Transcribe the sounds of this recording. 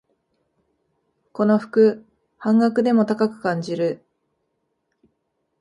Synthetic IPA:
ko̞no̞ɸɯ̟̥kɯ̟ | hãŋɡakɯ̟d̪e̞mo̞t̪akakɯ̟̥kãɲ̟d͡ʑiɾɯ̟

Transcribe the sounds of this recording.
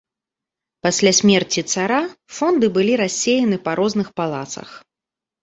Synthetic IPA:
pasʲlʲasʲmʲɛrt͡sʲit̪saɾafɔnd̪ɨbɨlʲiɾasʲːejɐnɨpɐɾɔznɨxpalˠa̰t̪sɐ̰x

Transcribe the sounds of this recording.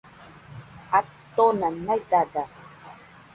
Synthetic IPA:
at̪ːonanajt̪at̪a

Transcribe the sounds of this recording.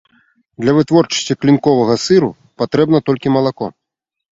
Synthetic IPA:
d̪lʲɐvɨt̪vɔrt͡ʂɐ̥sʲt͡sʲiklʲinkɔvɐɣɐsɨɾu | pat̪ɾɛbnɐt̪ɔlʲkʲimɐlˠakɔ

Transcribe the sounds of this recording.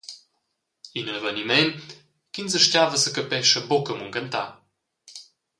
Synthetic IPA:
inənvənimɛn | kinzəʃcʲavəsəkəpɛʃəbokəmuŋkənt̪a̰

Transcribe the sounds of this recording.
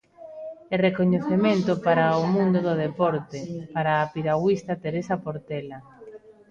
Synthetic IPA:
erekoɲeθemẽnt̪ʊpaɾaomũnd̪ʊðʊðepɔɾt̪epaɾaːpiɾaɣwist̪at̪eɾesapoɾt̪ɛla

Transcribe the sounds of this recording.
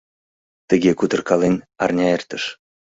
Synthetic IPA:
t̪ə̆ɣʲekut̪ə̆rkɑlenʲ | ɑrnʲɑert̪ə̆ʃ

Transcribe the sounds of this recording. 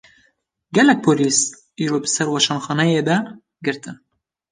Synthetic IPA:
ɡɛlɛk̚pʰoːliːs | iːɾoːbɨsɛɾwɑʃɑːnxɑːnɛjed̪ɛ | ɡɨɾt̪ɨn

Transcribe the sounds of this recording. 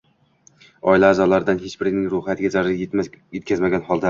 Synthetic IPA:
ɒɪlaːzɒlaɾɪd̪anhet͡ʃbɪɾnɪŋɾʊhat̪ɪɡʲazaɾɪjemajet̪̚ʲkʰʲazmaɡʲanhɒlˠd̪a

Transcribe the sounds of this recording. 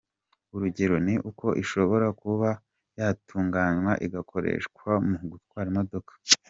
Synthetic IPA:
uɾuɟe̞ɾo̞niʔukʰo̞ʔiʃo̞βo̞ɾakuβa | jaːtʰuːŋɡaːɲwaʔiɡakʰo̞ɾḛːʃkwamuuɡutkwaːɾimo̞do̞kḁ

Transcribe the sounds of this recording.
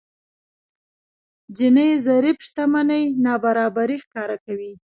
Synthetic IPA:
d͡ʒɪnəjzaɾipʃt̪amanəjnɑbaɾɑbaɾixkɑɾakawi

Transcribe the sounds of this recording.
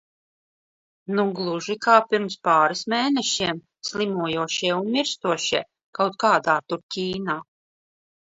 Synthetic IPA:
nuɡlˠuʒikaːpiɾmspaːɾismeːnɛʃiɛm | slˠimuɔjuɔʃiɛunmʲiɾst̪uɔʃiɛ | kawt̪̚kaːd̪aːt̪uɾcʲiːnaː

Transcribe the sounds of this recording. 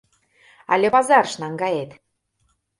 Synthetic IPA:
ɑ̰lʲepɑzɑrʃnɑŋɡɑjet̪

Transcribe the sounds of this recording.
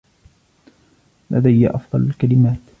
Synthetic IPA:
lʔa̰d̪ajːaʔɑfd̪ˤɑlalkalɪmaːt̪

